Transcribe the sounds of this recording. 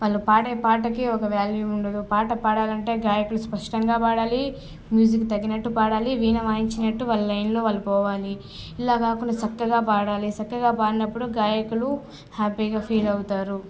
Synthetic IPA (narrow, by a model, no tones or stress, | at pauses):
ʋaːlːupaːʈeːpaːʈ̬ɐkiɔkɐʋjaːlʋiuɳɖɐd̪upaːʈɐpaːɽaːlɐɳʈe̞ːɡaːjɐkuluspɐʂʈɐŋɡaːpaːɽaːli | mjuːd͡ʒikt̪ɐɡːinɐʈːupaːɽaːliʋiːnɐʋaːjiɲt͡ʃinɐʈːuʋalɐlɐjnlo̞ːʋaːlːɐpɔːʋaːli | ilaːkaːkuɳɖɐt͡ʃɐkːɐɡaːpaːɽaːlit͡ʃɐkːɐɡaːpaːɽinɐpːuɽuɡaːjɐkulu | haːpiːɡaːpʰiːlɐwut̪aːɾu